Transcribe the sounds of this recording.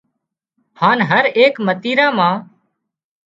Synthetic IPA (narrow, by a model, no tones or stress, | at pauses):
haːnɦəɾeːkmət̪iːɾãːmãː